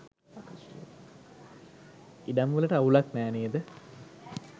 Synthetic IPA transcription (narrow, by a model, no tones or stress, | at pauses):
iɖ̪amʋələʈəaulaknæːneːəd̪ə